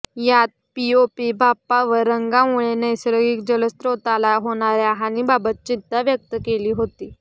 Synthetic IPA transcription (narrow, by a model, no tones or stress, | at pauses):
jat̪̚piopibʱapːaʋəɾəŋɡamuɭenəjsɾəɡik̚d͡ʑələst̪ɾot̪alaɦoɽ̃aɾjaɦañibabət̪̚t͡ɕid̪aʋjək̚t̪əkeliːɦot̪iː